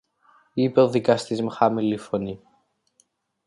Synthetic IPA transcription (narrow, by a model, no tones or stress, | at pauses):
ipeoðikɐst̪izmxɐmilifoni